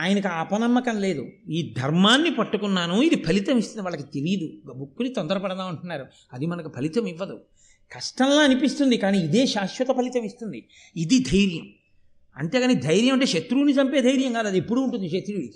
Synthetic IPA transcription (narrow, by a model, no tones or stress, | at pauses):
aːjɐnɐkuaːpɐnɐmːɐkɐnle̞ːd̪uiːd̪ʱɐɾmaːnːipɐʈːukunːaːnuid̪ipʰɐlit̪ɐmist̪und̪iʋaːɭːɐkit̪e̞lijɐd̪ubukːunit̪ɔnd̪ɐɾɐpɐɽɐnaːuɳʈunːaːɾu | ɐd̪imɐnɐkupʰɐlit̪ɐmiʋːɐd̪u | kɐʂʈɐnlaːɐnipist̪und̪ikaːniːd̪e̞ːʃaːʃʋɐt̪ɐpʰɐlit̪ɐmist̪und̪i | id̪id̪ʱɐjɾjɐm | ɐ̰ɳʈe̞ːɡaːnid̪ʱɐjɾjɐmɐɳʈ̬ːeːʃɐt̪ɾuːnit͡ʃɐmpeːd̪ʱɐjɾjɐmɡaːd̪ɐd̪iepːuɽuːɳʈund̪iʃɐt̪ɾuːi